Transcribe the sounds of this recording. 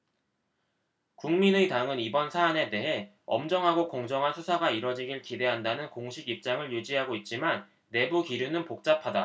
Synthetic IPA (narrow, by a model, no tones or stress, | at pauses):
kuŋminɯtaŋɯnibʌnsʰaːne̞de̞ɦe̞ | ʌ̰md͡ʑʌŋɦaɡokʌŋd͡ʑʌŋɦansʰusʰaɡaiɾʌd͡ʑiɡiɭkide̞ɦandanɯnkoŋɕʰiɡip̚t͡ɕ͈aŋɯɭjud͡ʑiɦaɡoit̚t͡ɕ͈imanː | e̞bukiɾjunɯnpok̚t͡ɕ͈apʰada